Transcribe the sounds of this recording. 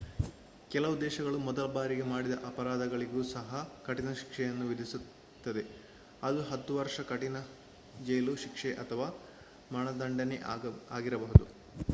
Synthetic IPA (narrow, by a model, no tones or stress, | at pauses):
kɛlɐʋud̪ɛːʃɐɡɐɭumɔd̪ɐlɐbaːɾiɡe̞maːɽid̪ɐʔɐpɐɾaːd̪ʱɐɡɐɭiɡuːsɐɦɐkɐʈinɐʃi̥kʂɛjɐnːuʋid̪ʱisu | t̪ːɐd̪e̞ | ɐd̪uɦɐt̪ːuʋɐɾʂɐkɐʈinɐ | d͡ʒɐjluʃikʂɛʔɐt̪ʰɐʋaː | mɐɳɐd̪ɐɳɖɐneaːɡiɾɐbɐɦud̪u